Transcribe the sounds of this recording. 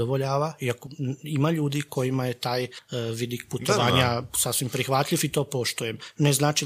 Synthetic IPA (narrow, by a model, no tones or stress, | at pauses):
oʋoʎaːʋaiakoimaʎuːd̪ikʰo̞jimaje̞t̪aːjʋid̪ik̚put̪oʋaːɲasafsʋimpɾixʋat̪ʎifit̪o̞ːpo̞ʃt̪ujemneznaːt͡ʃi